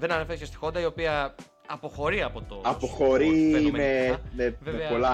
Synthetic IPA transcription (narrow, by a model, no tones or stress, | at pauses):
ðe̞nɐnefeɾcest̪i̥xo̞nd̪ɐio̞piɐ | ɐpo̞xo̞ɾiɐpo̞t̪o̞ɐpoxoɾiemmemeemeepo̞lɐ